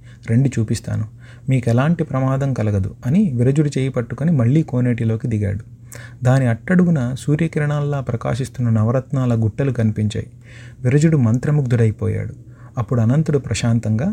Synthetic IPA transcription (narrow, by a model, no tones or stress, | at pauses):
ɾe̞ɳɖit͡ʃuːpist̪a̰ːnu | miːkɛlaːɳʈipɾɐmaːd̪ɐmkɐlɐɡɐd̪ṵɐniʋiɾɐd͡ʒuɽut͡ʃeːjɐpɐʈːukonimɐɭːiːko̞ːneːʈilo̞ːkid̪iɡa̰ːɽu | d̪aːniɐʈːɐɽuɡunɐsuːɾjɐkiɾɐɳaːlːaːpɾɐka̰ːʃist̪unːɐnɐʋɐɾɐt̪naːlɐɡuʈːɐlukɐnipiɲt͡ʃa̰ːji | ʋiɾɐd͡ʒuɽumɐnt̪ɾɐmuɡ̚d̪uɽɐjpɔːja̰ːɽu | ɐpːuɽuɐnɐnt̪uɽupɾɐʃaːnt̪ɐŋɡaː